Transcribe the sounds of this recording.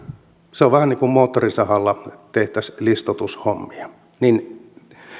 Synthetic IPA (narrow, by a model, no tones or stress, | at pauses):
seoʋʋæhænniːŋkummoːt̪ːorisɑhɑlːɑt̪eht̪æslist̪ot̪ushomːiɑ | nin